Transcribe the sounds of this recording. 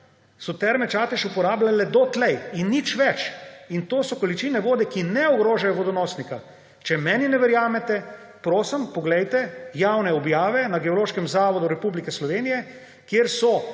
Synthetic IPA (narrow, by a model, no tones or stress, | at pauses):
sɔt̪ɛɾmɛt͡ʃaːt̪ɛʃupɔɾaːblalɛd̪ɔt̪lɛjinːit͡ʃʋɛt͡ʃint̪oːsɔkolit͡ʃinɛʋoːd̪ɛkinɛɔɡɾoːʒajɔʋɔd̪ɔnɔːsnika | t͡ʃɛmɛːninɛʋɛɾjaːmɛt̪ɛ | pɾoːsəmpɔɡlɛjt̪ɛjawnɛɔbjaːʋɛnaɡɛoloːʃkɛmzaːʋɔd̪uɾɛpublikɛslɔʋeːnijɛ | kjeɾsɔ